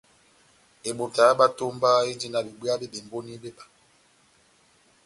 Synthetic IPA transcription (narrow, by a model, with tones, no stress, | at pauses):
e˨ɓo˨ta˨˦ɓa˦to˦mba˦e˦d͡ʒi˦na˨bi˨bi˦a˦be˦be˨mbo˦ni˦be˦ba˨